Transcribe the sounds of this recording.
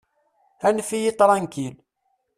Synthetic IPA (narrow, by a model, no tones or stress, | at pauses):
ænfijit̪ˤɾˤɑnkil